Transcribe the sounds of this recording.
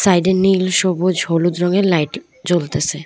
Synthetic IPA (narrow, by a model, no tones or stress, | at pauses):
sajɖeɾnilʃobod͡ʑɦolud̪ɾoŋeɾlajʈ | d͡ʑolt̪esʰe